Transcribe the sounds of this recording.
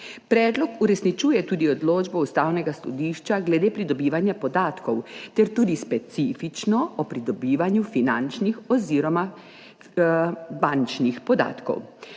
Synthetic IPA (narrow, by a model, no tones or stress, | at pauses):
pɾɛːd̪lɔkuɾɛsnit͡ʃuːjɛt̪uːd̪iɔd̪loːd͡ʒbɔust̪aːwnɛɡasɔ̰d̪iːʃt͡ʃaɡlɛd̪eːpɾid̪ɔbiːʋanjapɔd̪aːt̪kɔwt̪ɛɾt̪uːd̪ispɛt̪siːfit͡ʃnɔɔpɾid̪ɔbiːʋanjufinant͡ʃnixɔziːɾɔma | bant͡ʃnixpɔd̪a̰ːt̪kɔ̰w